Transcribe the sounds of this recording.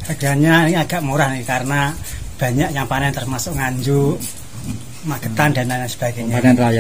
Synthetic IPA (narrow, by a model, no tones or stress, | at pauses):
saɡ̥aɲaniŋaɡ̥a̤ʔmuɾahnikikaɾənab̥a̤ɲaʔjaŋpanɛnt̪ərmasʊʔŋaɲd͡ʒu | maɡ̥ət̪and̥̪a̤naɲasəb̥a̤ɡ̥eɲaanɛnraja